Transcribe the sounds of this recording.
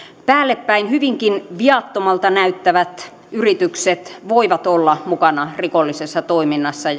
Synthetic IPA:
pæːlːepːæinhyʋiŋkinʋiɑt̪ːomɑlt̪ɑnæyt̪ːæʋæt̪ | yrit̪ykset̪ʋoiʋɑt̪olːɑmukɑnɑrikolːisesːɑt̪oiminːɑsːɑ

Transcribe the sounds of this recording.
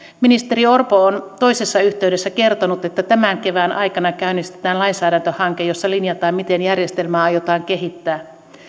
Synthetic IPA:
minist̪e̞ɾio̞rpoont̪o̞ise̞sːɑyçt̪e̞yde̞sːæke̞rt̪onut̪et̪ːæt̪æmæŋke̞ʋænʔɑjkɑnɑkæynist̪e̥t̪æːnlɑinsæːdænt̪øhɑŋkejo̞sːɑlinjɑt̪ɑːmit̪e̞njærje̞st̪e̞lmæːɑjot̪ɑːŋk̟e̞ɦit̪ːæː

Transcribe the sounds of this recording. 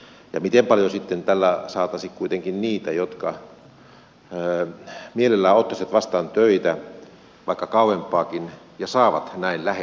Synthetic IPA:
jɑmit̪empɑljosit̪ːent̪ælːæsɑːt̪ɑsikkuit̪eŋkinniːt̪æjot̪kɑ | mielelːæːot̪ːɑsɑt̪ʋɑst̪ɑːnt̪øit̪æ | ʋɑikːɑkɑuempːˑɑːkin | jɑsɑːʋɑt̪næinlæhe

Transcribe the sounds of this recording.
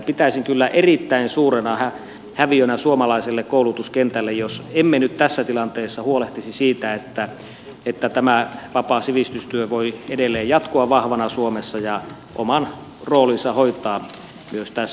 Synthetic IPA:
pit̪æisiŋkylːæʔerit̪ːæinsuːrenɑhæ | hæʋiønæsuomɑlɑiselːekkoˑulut̪uskent̪ælːejjosemːenyt̪t̪æsːæt̪ilɑnt̪eːsːɑhuoleht̪isisiːt̪æet̪ːæ | et̪ːæt̪æmæʋɑpɑsiʋist̪yst̪yøʋoiedelːˑeːjjɑt̪koɑʋʋɑhʋɑnɑsuomesːɑjɑ | ʔo̰mɑn | roːlinsɑhoit̪ˑɑː | myøst̪æs

